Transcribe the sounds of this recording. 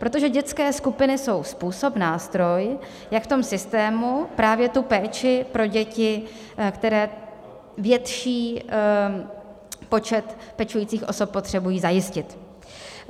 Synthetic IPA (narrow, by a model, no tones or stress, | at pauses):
pɾo̞t̪o̞ʒɛɟɛt̪t͡skɛːskupɪnɪso̞wspuːso̞pnaːst̪ɾo̞j | jakft̪o̞msɪst̪ɛːmupɾaːvjɛt̪upɛːt͡ʃɪpɾo̞ɟɛcɪ | kt̪ɛɾɛː | vjɛt̪ʃiː | po̞t͡ʃɛt̪pɛt͡ʃujiːt͡siːxʔo̞so̞pːot̪r̝̥ɛbujiːzajɪscɪt̪